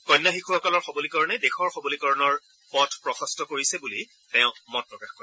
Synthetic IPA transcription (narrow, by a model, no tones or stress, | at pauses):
kɔjnːaxikʰuxɔkɔlɔɹxɔbolikɔɹɔnɛdexɔɹxɔbolikɔɹɔnɔɹ | pɔtʰpɹɔxɔstɔkoɹisɛbuli | tɛʊ̃mɔt̚pɹɔkaxko